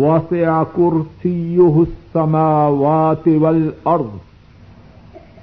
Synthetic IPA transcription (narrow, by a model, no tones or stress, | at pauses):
wɑsɪʕakʊɾsɪjʊɦsːamaːwaːt̪ɪwalʔɑɾˤd̪ˤ